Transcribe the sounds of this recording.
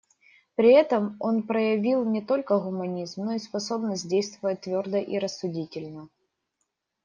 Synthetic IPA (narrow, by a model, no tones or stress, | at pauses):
pɾʲɪɛt̪əmo̞npɾəjɪvʲilˠnʲɪt̪o̞lʲkəɣʊmɐnʲizmno̞ispɐso̞bnəsʲt̚ʲdʲejst̪vəvəjət̪vʲo̞rd̪əʔiɾəsːʊdʲitʲɪlʲnə